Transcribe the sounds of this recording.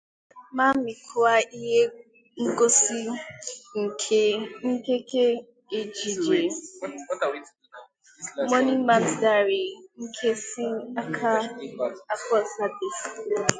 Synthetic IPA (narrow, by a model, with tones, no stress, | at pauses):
ma˦m̩˦mi˨kʰʊ˨˦a˦i˦ɦe˦ | ŋ̩˦ɡo˦si˦ŋ̩˨kʰŋ̩˦ke˦ke˦ | e˨d͡ʒi˨d͡ʒe˨˦ | mɔ˦ni˦ma˨n̩˨da˦˨ɾe˨ŋ̩˦kʰe˦si˦a˦kʰa˦ | a˦kɔ˦˨sa˦de˨s